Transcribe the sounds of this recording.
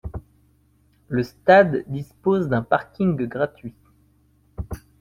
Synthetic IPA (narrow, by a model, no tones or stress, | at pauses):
ləst̪ad̪ːispozd̪ɛ̃paʁkʲiŋɡɡʁat̪ɥi